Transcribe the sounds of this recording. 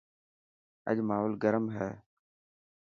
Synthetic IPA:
ə̰ʄmaːɦolɡəɾəmɦɛː

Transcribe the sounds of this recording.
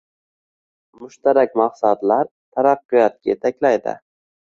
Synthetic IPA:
mʊʃt̪aɾakʲmɑqsat̪laɾ | t̪ʰaɾɑqːʊjat̪̚kʲajet̪ʰakʲlajd̪ɪ̰

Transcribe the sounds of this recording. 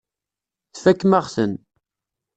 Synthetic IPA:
θækːmaʁsən

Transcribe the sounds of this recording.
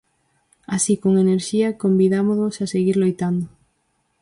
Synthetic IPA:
asikoŋeneɾʃiɐkombiðamoðosaseɣiɾlojt̪and̪ʊ

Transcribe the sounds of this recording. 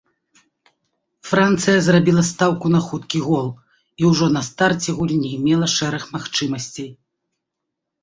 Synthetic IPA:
fɾant̪sɨjɐzrabʲilˠɐst̪awkun̪ɐxut̪kʲiɣɔlˠ | iwʐɔnɐst̪art͡sʲɛɣulʲinʲijmʲɛlˠɐʂɛɾɐxmaxt͡ʂɨmɐsʲt͡sʲej

